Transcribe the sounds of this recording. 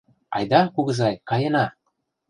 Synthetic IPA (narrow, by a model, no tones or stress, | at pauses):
ɑ̰jd̪ɑkuɣɤ̆zɑjkɑjɤ̆nɑ